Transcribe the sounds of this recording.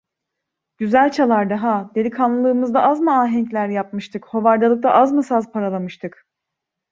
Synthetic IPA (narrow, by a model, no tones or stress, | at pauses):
ɟ̥yzælʲt͡ʃʰalˠaɾd̪aɦad̪elʲikʰanlˠɯlˠɯːmɯzd̪aʔazmɯaːɦɛɲclʲæɾjap̚mɯʃt̪ʰɯkho̞vaɾd̪alˠɯk̚d̪aʔazmɯsazpʰaɾalˠamɯʃt̪ʰɯk